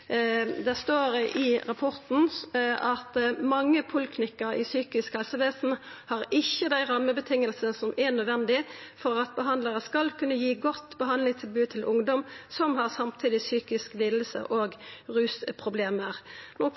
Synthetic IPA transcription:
d̪æʁst̪oːɾʔɪɾɑpʰɔɾt̪n̩ʔɑt̪mɑŋːəpʰʊlkʰnɪkːəɾɪ̰syːkɪskhɛlsəʋeːsn̩hɑʁɪçːəd̪æɪʁɑmːəbət̪ʰɪŋːəlsənəsɔmʔɛnœd̪ʋɛnd̪ɪfɔɾɑt̪̚bəɦɑnd̪ləʁəskɑlkʰʉnːəjiːɡɔt̪ːbəɦɑnd̪lɪŋt̪ʰɪlbʉːt̪ʰɪlʔʊŋd̪ɔmsɔmhɑʁsɑmt̪ʰiːd̪ɪsyːkɪskliːd̪l̩sə̰ʔoːɡʁʉːspʰʁʊbleːməʁnoː

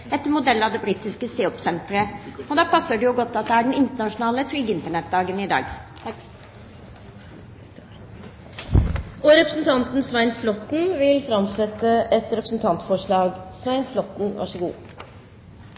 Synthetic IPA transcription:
ɛt̪ːəɾmʊd̪ɛlːɑd̪ɛbɾiːt̪ɪskəseːɔpsɛnt̪ɾəɔd̪ɑːpʰɑsːəɖɛjʊɡɔt̪ːɑt̪̚d̪ɛæɖɛnɪnt̪əɳɑʂʊnɑːlət̪ʰɾʏɡːəɪnt̪əɳɛt̪̚d̪ɑːɡənɪd̪ɑ̰ːɡ | ɔɾɛpɾəsnt̪ʰɑnt̪n̩sʋæɪnflɔt̪ːn̩ʋɪlfɾɑmsɛt̪ːəɛt̪ɾɛpɾəsn̩t̪ʰɑnt̪fɔʂɭɑːɡsʋæɪnflɔt̪n̩ʋɑ̰ʂəɡṵː

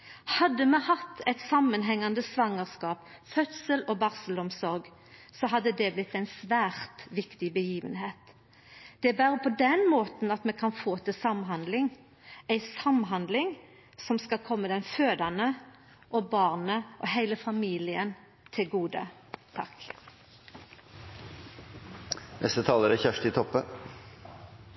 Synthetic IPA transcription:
hɑd̪ːəmɛhɑt̪ːɛɪt̪sɑmːənɦɛŋːɑnd̪əsʋɑŋːəʁskɑːpfœt̪səlɔbɑʁsəlʊmsɔɾɡ | sɔɦɑd̪ːəd̪ɛblɪt̪ːæɪnsʋæːʁt̪ʋɪkt̪ɪbəjiːʋə̰nɦeːt̪ | d̪̥ɛbæːɾəpʰɔd̪ɛnmoːt̪nɑt̪mɛkʰɑnfoːt̪ʰɪsɑmɦɑnd̪lɪŋ | æɪsɑmɦɑnd̪lɪŋ | sɔmskɑkʰɔmːəd̪ɛnføːd̪ɑnə | ʔɔbɑːʁnəʔɔhæɪləfɑmiːlɪən | t̪ʰɪlɡuːd̪ə̰ | t̪ʰɑk | nɛ̰st̪ət̪ʰɑːləɾæçæʂtɪt̪ʰɔpːə

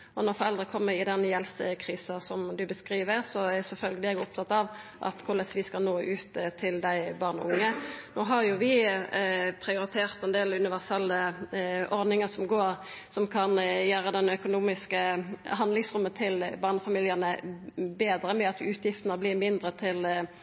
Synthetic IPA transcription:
ɔnɔɾfɔɾɛlʁəkʰɔmːəɾɪd̪ɛnjɛlsəkʰʁiːsɑsɔmd̪ʉbəskʁiːʋəʁsɔæsɛlfœlɡəlɪɛɡɔp̚t̪ʰɑt̪ːɑʋʔɑ̰t̪kʰʊʁlɛsʋɪskɑlnoːʔʉːt̪t̪ʰːɪld̪æɪbɑʁnʊ̰ŋːənoːɦɑɾjʊʋɪ | pʰɾɪʊɾɪt̪ʰeːʁt̪ɛnd̪eːlʉnɪʋæʁsɛlːəʔɔʁd̪nɪŋəsɔmɡoːʁ | sɔmkʰɑnjæːɾəd̪ɛnœkʊnuːmɪskəɦɑnd̪lɪŋsʁʊmːənt̪ʰɪlbɑːʁnəfɑmiːljəʁnəbeːd̪ɾəmɛɑt̪ʉːt̪ʰjɪft̪ənəblɪːmɪnd̪ʁət̪ʰɪl

